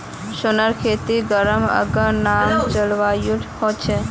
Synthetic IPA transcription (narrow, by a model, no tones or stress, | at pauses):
sunəɾkʰet̪iɡəɾəmə̰ɡə̃namt͡ʃəlʋajuʈhot͡ʃʰɛ